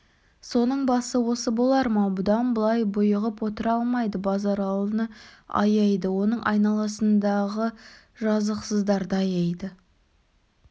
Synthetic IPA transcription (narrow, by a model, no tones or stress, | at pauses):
so̞nəɴbɑsəwo̞səbo̞lˠɑɾmɑbʊd̪ɑnbəlˠɑjbʊjəʁəpwo̞t̪əɾɑlˠmɑjd̪əbɑzɑɾɑlˠənəɑ̰jɑjd̪əwo̞nəɴʔɑjnɑlˠɑsənd̪ɑʁə | ʒɑzəqsəzd̪ɑɾd̪ɑjɑjd̪ə